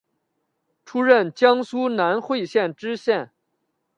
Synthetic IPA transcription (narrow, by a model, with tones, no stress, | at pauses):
ʈ͡ʂʰu˥ɻə˥˩nt͡ɕjɑ˥ŋsu˥na˧˥nxwe˥˧ɪɕjɛ˥˩nʈ͡ʂɻ̩˥ɕjɛ˥˩n